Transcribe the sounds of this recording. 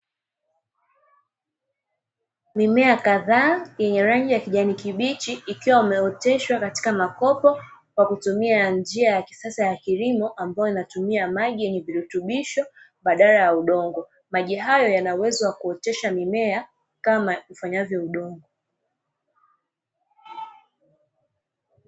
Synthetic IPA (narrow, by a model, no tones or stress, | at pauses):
mimɛakaðaːjɛɲɛɾaŋɡijakiʄanikiɓit͡ʃiːkiwaimɛɔtɛʃwakati̥kamakɔpɔ | kwakutumiand͡ʒiajaki̥sasajakilimɔʔambajɔinatumiamaʄijɛɲɛviɾutuɓiʃɔ | ɓaɗalajauɗɔŋɡɔ | maʄiɦajɔjanawɛzɔwakuɔtɛʃamimɛa | kamaufaɲavjɔuɗɔŋɡɔ